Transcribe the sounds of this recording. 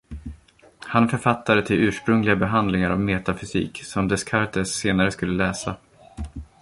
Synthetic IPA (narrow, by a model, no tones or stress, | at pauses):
hanfœɾfat̪ʰːad̪ət̪ʰɪlʉ̟ːʂpɾɵŋlɪɡabɛɦand̪lɪŋaɾa̰vmeːt̪afʏsḭːksɔmd̪ɛskʰaɾt̪ɛsːeːnaɾəskɵlːəlɛːsa